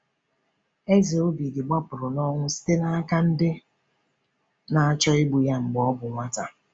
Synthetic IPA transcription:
e˦zi˨o˦bi˨dɪ˨ɡ͡ba˦pʊ˨ɾʊ˨nɔ˦ŋʷʊ˦si̥˦te˦na˦a˦ka˦n̩˦dɪ˦ | na˦a˦t͡ʃɔ˦ɪ˦ɡ͡bu˨ja˦ŋ͡m̩˨ɡ͡bɔ˦bʊ˨ŋʷa˦ta˨

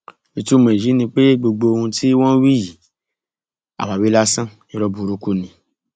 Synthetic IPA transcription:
i˨˧tu˦˨mẽ˨ji˨˦nĩ˧k͡pe˦ɡ͡bo˧ɡ͡bo˧o˧hũ˧tʰi˦w̃ɔ̃˦wi˦˨ | a̰˨wa˨wi˨˦la˦sã˦˨nĩ˧ɾɔ˧bu˨ɾu˨˦ku˦˨nĩ˧

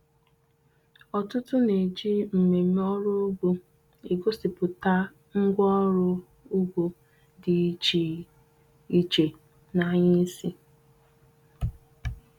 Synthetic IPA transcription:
ɔ˨tʊ˦tʊ˦ne˨d͡ʒi˦m̩˨me˨m˦ɔ˦ɾʊ˦ɡʷo˦ | e˨ɡo˦sɪ˨pʊ˨ta˦ | ŋ̩˦ɡʷɔ˦ɾʊ˦ | ʊ˦ɡʷo˨ | dɪ˨˦t͡ʃi˨ | i˦t͡ʃe˨ | na˦ɲɪ˦si˦

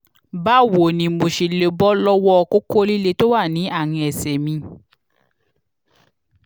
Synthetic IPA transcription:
ba˦˨wo˨nĩ˨mo˨ʃe˨le˨˦bɔ˦lɔ˦wɔ˦ɔ˧ko˦ko˦li˦le˦to˦wa˦˨nĩ˨˦ʔa˦˨ŋ̃ĩ˧˦ɛ˨sɛ˨mĩ˧

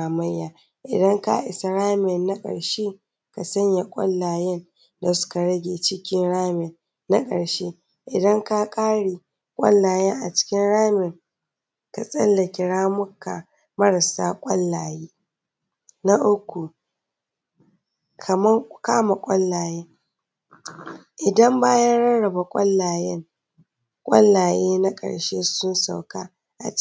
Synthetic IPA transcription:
a˨mɐ˦jːaː˨ | ʔɪ˨dɐ˦ŋka̰˦ʔɪ˨sa˦ɽaː˦mɛ˨nːa˦kʼɐ̰˨ɽʃeː˦ | ka˨sɐ˦ɲja˨kʷʼɐ̰˦lːaː˨jɛ˦n | da˨sʊ̥˦ka˨ɽɐ˦ɡʲeː˨t͡ʃɪ˦kʲɪ˦nɽaː˦mɛ˨nː | a˦kʼɐ̰˨ɽʃeː˦ | ʔɪ˨dɐ˦ŋka˦kʼaː˦ɽiː˨ | kʷʼɐ̰˦lːaː˨jɛ˦ŋʔa˨t͡ʃɪ̥˦kʲɪ˦nɽaː˦mɪ˨ŋ | ka˨sʼɐ˦lːɐ˨kʲɪ˨ɽaː˦mʊ˦ka̰˨ | mɐ˦ɽɐ˨saː˦kʷʼɐ˦lːaː˨jeː˦ | na˦ʔʊ˦kʷːu˨ | kʰɐ˨mɐ˦ŋkaː˦ma˨kʷʼɐ˦lːaː˨jeː˦ | ʔɪ˨dɐ˦mbaː˦jɐ˦nɽɐ˦nɽɐ˨ba˨kʷʼɐ˦lːaː˨jɛ˦ŋ | kʷʼɐ̰˦lːaː˨jeː˦na˦kʼɐ̰˨ɽʃe˦sʊ˦nsa˨wkaː˦ | ʔa̰˨t͡ʃ

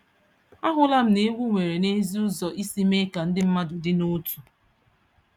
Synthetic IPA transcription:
a˦ɦʊ˦la˦m̩˨ne˦wʷu˦ŋʷe˨ɾe˨ne˦zi˦ʊ˦zɔ˨ʔi˦si˦me˦ka˨n̩˦dɪ˦m̩˦ma˦dʊ˨dɪ˦no˦tu˨

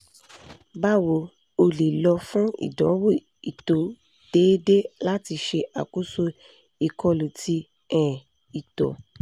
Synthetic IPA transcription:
ba˦wo˨˧ | o˧le˨lɔ˧fũ˦ḭ˦˨dɔ˨˦wo˦˨ | i˨to˨ | d̥eː˨˦de˦la˦ti˧ʃe˧ʔa̰˨ku˦so˦ | i˨kɔ˧lu˨tʰi˧ | ɛ̃˨ | i˨tɔ̰˨

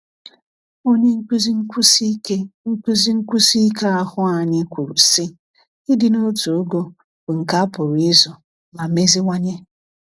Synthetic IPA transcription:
o˦ɲe˦ŋ̩˦kze˦ŋ̩˦ku˦zi˦ŋ̩˦kʷu˦si˦ke˦a˦hʊ˦a˨ɲɪ˦kʷu˨ɾu˨si˦ | i˦dɪ˦no˦tu˨o˦ɡo˦ | bʊ˨ŋ̩˨ka˦a˦pʊ˨ɾɪ˦zɔ˨ | ma˨me˦zi˦ŋʷa˦ɲe˦

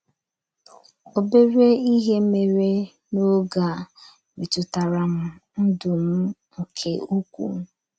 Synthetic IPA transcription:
o˨be˦ɾe˦i˦ɦe˦me˨ɾe˦ | no˦ɡa˨ | me˨tʊ˨ta˨ɾa˨m̩˦n̩˦dʊ˨m̩˦ŋ̩˨kʰe˨u˦kʷṵ˨m̩˦

